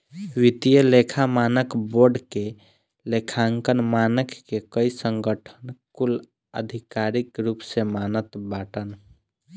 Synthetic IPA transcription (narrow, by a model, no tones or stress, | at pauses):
wit̪ijəlekʰamaːnəkboɾɖke | lekʰaŋkənmanəkːekəisəŋɡəʈʰənkul | ə̰d̪ʱikaɾikɾupsemanət̪baʈən